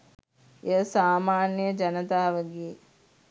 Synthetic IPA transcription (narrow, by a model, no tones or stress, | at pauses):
eəsaːmaːnjəd͡ʒɐnət̪aːʋəɡeː